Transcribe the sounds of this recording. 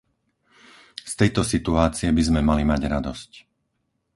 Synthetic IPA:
st̪ɛjt̪ɔsit̪uaːt͡siɛbizmɛmalimaɟɾad̪ɔsc

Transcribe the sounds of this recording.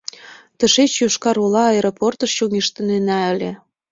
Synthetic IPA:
t̪ə̆ʃet͡ɕjoʃkɑɾulɑːeɾoport̪əʃjoŋeʃt̪ə̆nenæə̆lʲĕ

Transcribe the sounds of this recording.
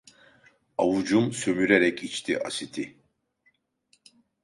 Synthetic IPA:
avud͡ʒumsø̞myɾeɾɛcit͡ʃt̪ʰiʔasit̪ʰi

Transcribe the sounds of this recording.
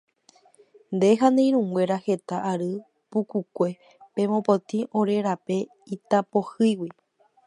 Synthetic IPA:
nd̪e̞ɦand̪ej̃ɾ̃ũŋɡwʷe̞ɾahe̞t̪aʔːɾɨ | pukukʷe̞ | pẽ̞mõpot̪ĩʔõ̞ɾe̞ɾape̞ | it̪apo̞hɨjwi

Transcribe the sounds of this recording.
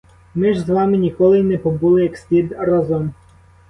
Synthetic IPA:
mɪʒzʋɑmɪnʲikɔlˠɪnɛpɔbulˠɪjɐksʲlʲid̪ɾazɔm

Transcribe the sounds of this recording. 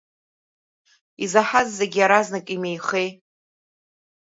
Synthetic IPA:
izaħazːeɡʲiaɾaznakʼimejχe̞j

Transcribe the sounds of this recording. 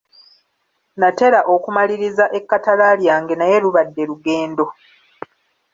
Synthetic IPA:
nate̞ɾaʔo̞kumaliɾizaʔe̞kːatalaljaːŋɡe̞naje̞ɾuβadːe̞ɾuɡe̞ːndo̞

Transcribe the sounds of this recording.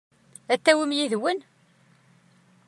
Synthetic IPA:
æt̪ːæwimjiðwən

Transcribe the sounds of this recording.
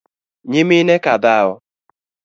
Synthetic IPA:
ɲɪmɪnekadaʊ

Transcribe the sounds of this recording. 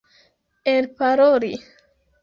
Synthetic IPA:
elpaɾoli

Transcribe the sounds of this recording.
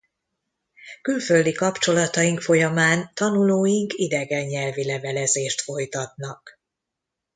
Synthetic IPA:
kylføld̪ikɒpt͡ʃo̞lɒt̪ɒjiŋkfo̞jɒmaːnt̪ɒnuloːjiŋkid̪ɛɡɛɲːɛlvilɛvɛlɛzeːʃt̪fo̞jt̪ɒt̪̚nɒk

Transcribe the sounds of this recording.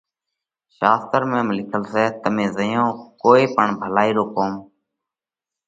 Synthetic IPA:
ʃaːst̪əɾmẽːmlɪkʰəlseːt̪əmẽːzəjõːkoːeːpəɳbʱəlaːiːɾoːkoːm

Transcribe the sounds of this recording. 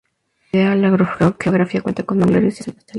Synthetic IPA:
ealaɣɾoxoxeoɣɾafiakwent̪akond̪aŋɡlaɾisjaseet̪a

